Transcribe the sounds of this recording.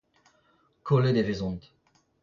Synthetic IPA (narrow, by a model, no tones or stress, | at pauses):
kʰoled̪evezɔ̃nt̪